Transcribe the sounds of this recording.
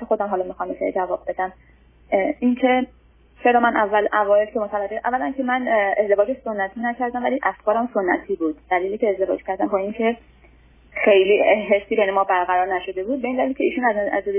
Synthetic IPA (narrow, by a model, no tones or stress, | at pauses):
exo̞d̪æmɦɒlɒːmixɒmbesḛd͡ʒævɒːb̚be̞d̪æm | incʰe̞ | t͡ʃe̞ɾɒːmænʔævːælʔævɒːelcʰe̞mot̪ʰælæɡeʔæ̰vːælæncʰemænezd̪evɒːd͡ʒeʃso̞nːæt̪ʰinæcʰæɾd̪æmvæliʔæfkʰɒːɾæmsonːæ̰t̪ʰiːbuːd̪̥d̪̥æliːliːcʰʲeːzd̪e̞vɒ̰d͡ʒcʰæɾd̪æmbɒːincʰe̞ | xejliːɦesːiːbejne̞mɒːbæɾɣæɾɒːɾnæʃo̞d̪e̞buːd̪be̞ind̪ælikcʰeiːʃuːnæzæ̰zd̪ed̪